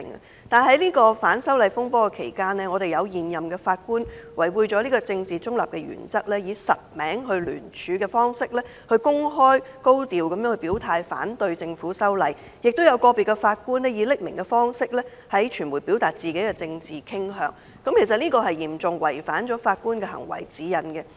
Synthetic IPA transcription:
ŋ | t̪aː˨nɦɐ˨˥jliː˥kɔː˧faː˨˥nsɐ˥wlɐ˨˧jfʊ˥ŋpɔː˥kɛ˧kʰḛ˨˩jkaː˥nlɛː˥ŋɔː˨˧ɾe˨jɐ˨˧wjiː˨˩njɐ˨mkɛ˧faː˧t̚kuː˥nwɐ˨˩jwuː˧jt͡ʃɔː˨˥liː˥kɔː˧t͡sɪ˧ŋt͡siː˨˩t͡sʊ˥ŋlɐ̰˨p̚kɛ˧ɥy̰ː˨˩nt͡sɐ˥k̚lɛː˥jiː˨˧sɐ˨t̚mɛː˨˥ŋɦɵ˧ɥly̰ː˨˩nt͡ʃʰyː˨˧kɛː˧fɔː˥ŋsɪ˥k̚lɛː˥ | hɵ˧ɥkʊ˥ŋɦɔː˥jko˥wt̪iː˨wkɐ˨mjœː˥ŋhɵ˧piː˨˥wt̪ʰaː˧jfa̰ː˨˥nt̪ɵ˧ɥt͡sɪ˧ŋfuː˨˥sɐ˥wlɐ˨˧j | jɪ˨k̚t̪wjɐ˨˧wkɔː˧piː˨t̚kɛ˧faː˧t̚kuː˥nlɛː˥jiː˨˥lɪ˥k̚mɪ˨˩ŋkɛ˧fɔː˥ŋsɪ˥k̚lɛː˥ | hɐ˨˥jt͡ʃʰyː˨˩nmuː˨˩jpi˨˥wt̪aː˨t̚t͡siː˨ke˨˥jkɛ˧t͡sɪ˧ŋt͡siː˨kʰɪ˥ŋɦœː˨˧ŋ | kɐ˨˥mkʰe˨˩js̬ɐ˨t̚liː˥kɔː˧ɦɐ˨jjiː˨˩mt͡sʊ˨ŋwɐ˨˩jfaː˨˥nt͡ʃɔː˨˥faː˧t̚kuː˥nkɛ˧ɦɐ̰˨˩ŋwɐ̰˨˩jt͡siː˨˥jɐ˨˩nkɛ˧

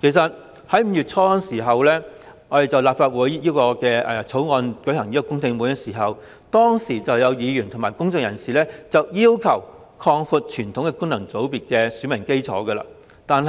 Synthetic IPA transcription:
kʰe˨˩jsɐ˨t̚ | hɐ˨˥jm̩˧jyː˨t̚t͡sʰɔː˧kːnsiː˨˩ɦɐ˨wlɛː˥ | ŋɔː˨˧d̪e˨jt͡sɐ˨wlaː˨p̚faː˧t̚wuː˨˥jjiː˥kɔː˧kɛː˧ɛː˨˧t͡sʰo˨˥wŋɔː˨˧nkɵ˨˥ɥhɐ˨˩ŋjiː˥kɔ˧˥kʊ˥ŋt̪ɪ˧ŋmu˨˧jɐ˥t̚siː˨˩ɦɐ˨w | t̪ɔː˥ŋsiː˨˩t͡sɐ˨wjɐ˨˧wjiː˨˧jyː˨˩nt̪ʰʊ˨˩maː˨jkʊ˥ŋt͡sʊ˨ŋ̚jɐ˨˩nsiː˨lɛː˥t͡sɐ˨wjiː˥wkʰɐ˨˩w | kʰɔː˧ŋfu˧t̚t͡ʃʰyː˨˩nt̪ʰʊ˨˥ŋkɛː˧kʊ˥ŋnɐ˨˩ŋt͡so˨˥wpiː˨˧t̚kɛː˧syː˨˥mɐ˨˩ŋke˥jt͡sʰɔ̰ː˨˥ɡə˧la̰ː˧ | t̪aː˨n

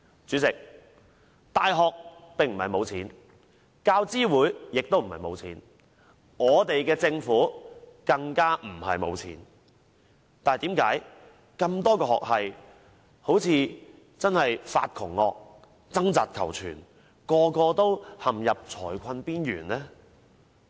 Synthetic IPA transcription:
t͡syː˨˥t͡sɪ˨k̚ | t̪aː˨jɦɔː˨k̚pɪ˨ŋm̩˨˩hɐ˨jmo˨˧wt͡sʰiː˨˥n | kaː˧wt͡siː˥wuː˨˥jjɪ˨k̚t̪o˥wm̩˨˩hɐ˨jmo˨˧wt͡sʰiː˨˥n | ŋɔː˨˧t̪e˨jkɛː˧t͡sɪ˧ŋfuː˨˥kɐ˧ŋkaː˥m̩˨˩hɐ̰˨jmo̰˨˧wt͡sʰḭː˨˥n | t̪aː˨nhjt̪iː˨˥mkaː˨˥j | kɐ˧mt̪ɔː˥kɔː˧hɔ̰ː˨k̚hɐ˨j | ho˨˥wt͡sʰiː˨˧ | t͡sɐ˥nhɐ˨jfa̰ː˧t̚kʰʊ̰˨˩ŋːɔː˨˧k̚ | t͡sɐ˥ŋt͡saː˨t̚kʰɐ̰˨˩wt͡sʰy̰ː˨˩n | kɔː˧kɔː˧t̪o˥whɐ˨mjɐ˨p̚t͡sʰɔː˨˩jkʰɐ˧npiː˥njyː˨˩nlɛː˥

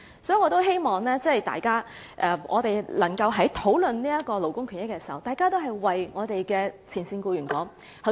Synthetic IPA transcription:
sɔː˨˥˩ŋɔː˨˧t̪o˥wɦe˥jmɔː˨ŋlɛː˥t͡sɛ˥˨jt̪a̰ː˨jkaː˥ | ʔɛː˨˩ʔɔ̰ː˨˧t̪e˨˩jlɐ˨˩ŋkɐ˧wɦɐ˨˥jt̪ʰo˨˥wlɵ˨nniː˥ɐ˥t̚kɔː˧lo˨˩wkʊ˥ŋkʰy˨˩njɪ˥kːɛː˧si˨˩hɐ˨˩wt̪aː˨jkaː˥t̪o˥ɦɐ˨˩jwɐ˨jŋɔː˨˧t̪e˨jkɛː˧t͡sʰiː˨˩nsiː˧nkuː˧ɥyː˨˩nkɔː˨˥ŋ | hɐ˧˥

